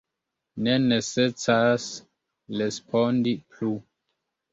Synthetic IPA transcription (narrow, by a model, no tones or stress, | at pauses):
neneset͡sas | lespʰondipʰlu